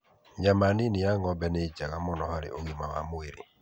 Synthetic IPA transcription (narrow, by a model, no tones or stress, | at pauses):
jamaninijaŋɔbɛnet͡ʃaɣamɔnɔhaɾḛʔoɣimawa̰mʊeɾḭ